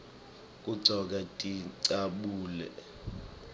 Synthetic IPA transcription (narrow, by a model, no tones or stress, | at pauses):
k̬ʼuǀʱɔk̬ʼatʼiǀaɓuːlɛ̰